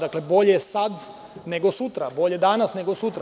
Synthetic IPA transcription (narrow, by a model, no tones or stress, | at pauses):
d̪aklebo̞ʎesad̪ | ne̞ɡosut̪ɾabo̞ʎed̪aːnasne̞ɡosut̪ɾa